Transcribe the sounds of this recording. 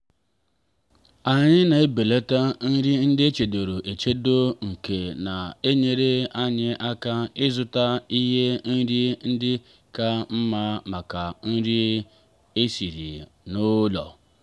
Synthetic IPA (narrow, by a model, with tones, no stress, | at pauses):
a˨ɲɪ˦na˨e˦be˨le˦ta˦n̩˦ɾi˦n̩˦dɪ˦e˦t͡ʃe˨do˨ɾo˨ʔe˨t͡ʃe˦do˦ŋ̩˨ke˨na˨e˦ɲe˦ɾe˦a˦ɲɪ˦ʔa˦ka˦ɪ˦zʊ˦ta˦i˦ɦe˦n̩˦ɾi˦n̩˦dɪ˦ | ka˦m̩˦ma˦ma˨ka˨n̩˦ɾi˦ | e˦si˨ɾḭ˨ | nʊ˦lɔ˨